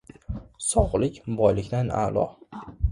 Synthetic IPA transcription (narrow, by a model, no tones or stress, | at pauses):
sɒʁlɪkʲbɒjlɪkʲd̪ana̰lˠɒ̰